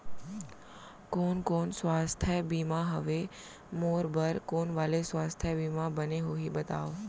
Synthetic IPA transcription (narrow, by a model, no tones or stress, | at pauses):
koːnkonsʋast̪ʰjəbimãɦəʋe | moɾbʱəɾkoːnʋalesʋast̪ʰjəbimãbəneɦoɦibət̪a̰ːʋo